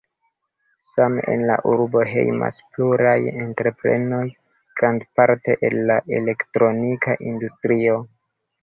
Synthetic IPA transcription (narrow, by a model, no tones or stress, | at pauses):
samḛnla̰ʔuɾbo̞ɦe̞̰jma̰spluɾajentɾe̞pɾe̞̰no̞j | ɡɾandpaɾte̞ʔelːaʔe̞le̞ktɾo̞nikʰaʔindustɾio̞